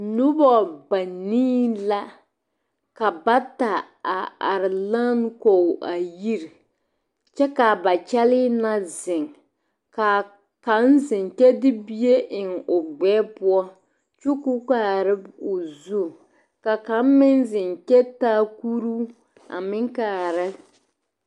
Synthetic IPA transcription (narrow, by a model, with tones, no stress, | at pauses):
nʊ˦bɔ˨ba˨niː˦la˦ | ka˨ba˦ta˨ | a˨a˨ɾɪ˨la˦n˦ko˨ʔa˨ji˦ɾ | t͡ʃɛ˦ka˨ba˨t͡ʃɛ˦lɪ˦na˦zɪ˨ŋ | ka˨ | ka˨˦n˦zɪ˨ŋkɛ˦dɪ˦bi˦e˦ʔɪ˨ŋʊ˨ɡ͡bɛː˦pʊ˦ɔ˦ | t͡ʃu˦ku˦ka˦˨ɾɪ˦bʊ˨zu˦˨ | ka˨ka˨˦m˦mɪ˦nzɪ˨ŋkɛ˦taː˦ku˦ɾu˦ | a̰˨mɪ˦ŋkaː˨ɾɪ˦